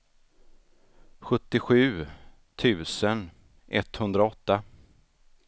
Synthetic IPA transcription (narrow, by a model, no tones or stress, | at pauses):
ɧɵt̪ːɪɧʉ̟ː | t̪ʰʉ̟ːsən | ʔɛt̪hɵnd̪ɾaɔt̪ːa